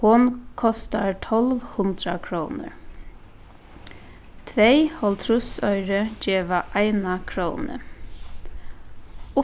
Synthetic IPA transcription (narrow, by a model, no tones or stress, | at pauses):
hʊnkʰɔst̪aɹt̪ʰɔlʋhʊnd̪ɾakʰɾoːnə̰ɹ | t̪ʰʋeɪhɔlt̪ʰɾʊsœʏɾəd͡ʒɛːʋaʔaɪnakʰɾoːnə̰ | ʊ